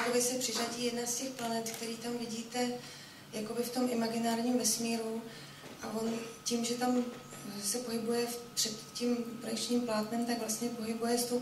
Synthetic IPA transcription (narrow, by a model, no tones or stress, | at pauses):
kobɪsɛpr̥ɪʒaɟiːjɛdnascɛxplanɛt̪k̚t̪ɛɾiːt̪amvɪɟiːt̪ɛ | jako̞bɪft̪o̞mʔɪmaɡɪnaːɾɲiːmvɛsmiːɾu | ʔaʔo̞nciːmʒɛt̪am | sɛpo̞ɦɪbujɛpr̥ɛt̪cimpɾoɛkt͡ʃɲiːmplaːt̪nɛmt̪aɡvlast̪ɲɛpo̞ɦɪbujɛst̪ow